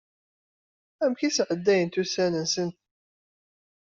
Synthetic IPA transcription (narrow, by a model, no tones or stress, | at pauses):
æmçisʕəd̪ːæjənt̪usænənsənt̪